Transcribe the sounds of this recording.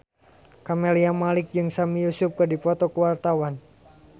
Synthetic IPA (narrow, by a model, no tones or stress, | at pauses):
kameliamalɪk̚d͡ʒɨŋsamijusʊp̚kɨdipɔt̪ɔkəwart̪awan